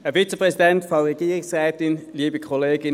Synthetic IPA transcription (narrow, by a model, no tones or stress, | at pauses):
ɛɐfit͡sepʁɛsidɛntfɑnʁɛɡiːʁɪsʁɛːtɪnliːbəkʰɔleːɡɪ